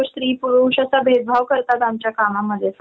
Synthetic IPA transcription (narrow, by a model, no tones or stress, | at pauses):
sɾiːpuɾuɕasabʱed̪̚bʱaʋkəɾt̪at̪amt͡ɕjakamaməd̪ʱːjef